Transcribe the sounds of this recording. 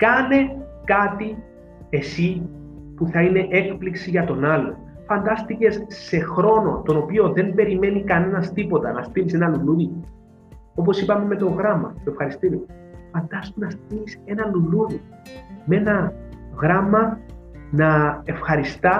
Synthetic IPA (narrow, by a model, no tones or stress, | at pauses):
kɐne̞kɐt̪i | e̞si | puθɐine̞ʔe̞kpliksiʝɐt̪o̞nɐlːo̞ | fɐnd̪ɐst̪ice̞sse̞xɾo̞no̞̰t̪o̞no̞pio̞ðe̞mbe̞ɾime̞nikɐne̞nɐst̪ipo̞t̪ɐnɐst̪imise̞nɐluluði | o̞p̬o̞sipɐme̞me̞t̪o̞ɣɾɐmɐ̰t̪oefxɐɾist̪iɾio | fɐnd̪ɐst̪unɐst̪̚ilise̞nɐluluði | me̞nɐɣɾɐmːɐnɐe̞fxɐɾist̪ɐ